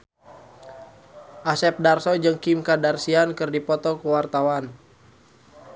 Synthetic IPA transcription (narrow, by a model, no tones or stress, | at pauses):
ʔasɛp̚darsɔd͡ʒɨŋkimkadarsiankɨrdipɔt̪ɔkəwart̪awan